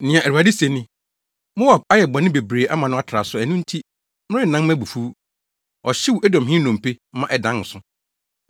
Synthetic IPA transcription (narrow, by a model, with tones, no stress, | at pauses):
nɪ̃˨ã˨ʔæ˨a˨di˦se˨nɪ̃˦ | mo˦a˨b̚a˦jɛ˨ba˨nɪ̃˦be˨bɾeː˨ʔa˦mã˨nʊ̃˦a˦tʰɾa̰˨sʊ˦æ˨nũ˦n̩˦tʰi˦ | mɪ̃˦ɾɪ̃˦n̩˨nã˦mæ̃˦bu˨fu˦ | ɔ˨ɕɪ˦wu˨æ˦dɔ̃˨mɦɪ̃˦nɔ̃˨m˨pe˦mã˦ʔɛ˨dã˨˦n̩˨sʊ̃˦